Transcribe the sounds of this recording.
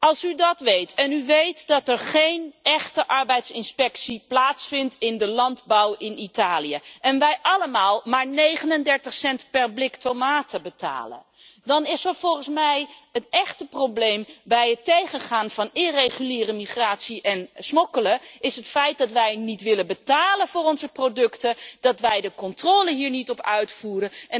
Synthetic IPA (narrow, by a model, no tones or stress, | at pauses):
ɑlˠsydɑtʋejtɛnyʋejtdɑtɛɹχejnɛχtəʔɑɹbɛjtsɪnspɛksiplaːtsfɪntɪndəlɑndbɑwɪnitaːlijəʔɛnʋɛjʔɑləmaːlˠmaːɹnejχənəndɛɹtəχsɛntpɛɹblɪktomaːtʰəbəta̰ːlə̰ | dɑnɪsəɹv̥ɔlˠχənsmɛjətɛχtəproblejmbɛjətejχənχaːnvɑnɪrejχyliːrəmiχraːtsiʔɛnsmɔkələɪsɦətfɛjt̚dɑtʋɛjnitʋɪlənbətaːlənvʊːrɔnzəprodɵktəd̥ɑtʋɛjdəkɔntrɔːləɦiːɹnitɔpœɥtfuːrəɛ